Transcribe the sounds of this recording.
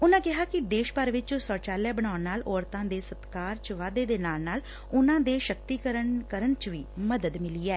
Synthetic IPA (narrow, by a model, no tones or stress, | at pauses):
ʊnãːkɪɦaːkɪd̪eːʃpəɾʋɪt͡ʃsɔːt͡ʃaːljaːbənaːʊnnaːlɔːɾt̪ãːd̪eːsət̪kaːɾt͡ʃʋaːd̪eːd̪eːnaːlnaːl | ʊnãːd̪eːʃəkt̪iːkəɾəɳkəɾəɳt͡ʃʋiːməd̪əd̪mɪliːɛː